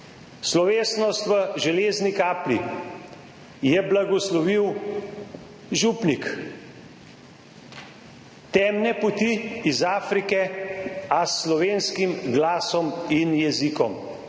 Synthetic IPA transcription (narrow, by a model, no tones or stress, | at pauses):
slɔʋeːsnɔst̪ʋəʒɛleːznikaːplḭ | jɛblaɡɔslɔʋiw | ʒupnik | t̪ɛːmnɛpɔt̪iizaːfɾikɛ | asːlɔʋeːnskimɡlaːsɔminjɛzikɔm